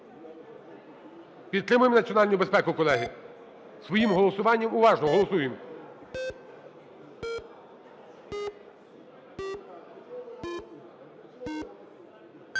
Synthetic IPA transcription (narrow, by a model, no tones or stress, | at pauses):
pʲid̪̚t̪ɾɪmʊjemnɐtt͡sʲiɔnɑlʲnʊbespɛkʊkɔlˠɛɦɪ | sʋɔjimɦɔlˠɔsʊʋɑnʲːɐmʊʋɑʒnɔɦɔlˠɔsujem